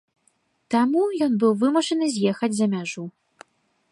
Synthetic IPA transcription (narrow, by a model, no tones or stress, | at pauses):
t̪amujɔnbɨwvɨmuʂɐnɨzʲjexɐd͡zʲzɐmʲaʐu